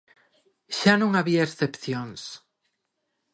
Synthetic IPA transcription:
ʃanũŋaβiaesθepθjoŋs

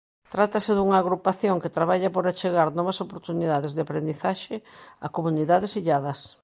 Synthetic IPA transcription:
t̪ɾat̪ɐseðuŋaːɣɾupaθjoŋket̪ɾaβ̞aʎɐpoɾat͡ʃeɣaɾnɔβɐsopoɾt̪uniðaðɪzðeapɾend̪iθaʃea̰komuniðaðɪsiʎaðɐs

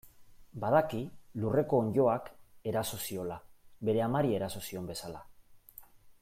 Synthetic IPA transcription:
bað̞akilure̞ko̞ːɲʝo̞ake̞ɾaso̞sio̞labe̞ɾe̞amaɾie̞ɾaso̞sio̞mbe̞sala

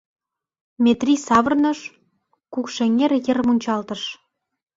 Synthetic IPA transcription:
mʲet̪rʲisɑβərnəʃ | kukʃeŋerjə̆rmunʲt͡ɕɑlt̪ə̆ʃ

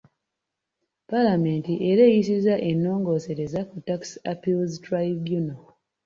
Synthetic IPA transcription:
palame̞ntiʔeɾejis̬izaʔenːo̞ːŋɡo̞ːseɾezakutaksapilztɾajbjuno

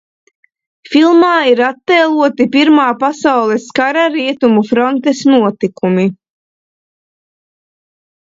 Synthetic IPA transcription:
filˠmaːiɾat̪ːɛːlˠuɔt̪ipiɾmaːpasawlˠɛskaɾaɾiɛt̪umufɾɔnt̪esnuɔt̪ikumi

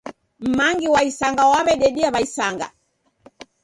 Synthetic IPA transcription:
m̩maŋɡiwaisaŋɡawaβɛɗɛɗiaβaisaŋɡa̰

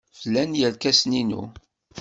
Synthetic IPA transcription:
flːænjəlkæsninṵ

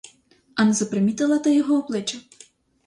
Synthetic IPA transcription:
anzɐpɾɪmʲit̪ɐlˠɐt̪ɐjɔɦɔɔplˠɪt͡ʃɐ

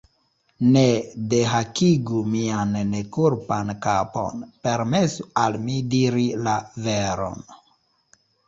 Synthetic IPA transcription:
nedeɦakiɡumiannekuɾpankapo̰npe̞ɾme̞sualmidiɾilaveɾo̞̰n

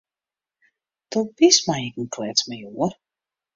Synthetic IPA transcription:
d̥ɔbismajɪkən̩kʰlɛt͡smajoər

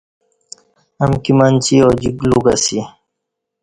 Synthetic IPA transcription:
amkimant͡ʃiɔd͡ʒikluɡasi

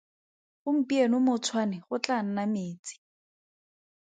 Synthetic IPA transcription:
χʊm̩pʼienʊmʊt͡sʰwanɪχʊt͡ɬʼan̩nameːt͡sʼi̥

